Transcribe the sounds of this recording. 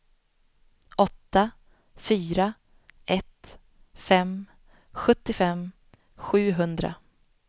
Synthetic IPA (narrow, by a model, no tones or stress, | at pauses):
ʔɔt̪ːa | fyːɾa | ʔɛt̪ | fɛm | ɧɵt̪ːɪfɛm | ɧʉ̟ːɦɵnd̪ɾa̰